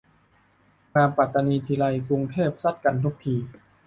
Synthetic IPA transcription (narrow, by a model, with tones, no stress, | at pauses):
maː˧pa˨˩t̪ːa˧niː˧t̪ʰiː˧la˧jku˧ŋt̪ʰeː˥˩p̚sa˦˥˩t̪̚ka˧nt̪ʰu˦˥k̚t̪ʰiː˧